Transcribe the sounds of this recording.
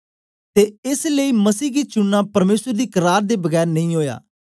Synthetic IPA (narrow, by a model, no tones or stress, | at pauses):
t̪eːɪsləiːməsiːɡiːt͡ʃʊnːãːpəɾmeːsəɾd̪iːkəɾaːɾd̪eːbəɡɛːɾnəĩːɦoːja̰ː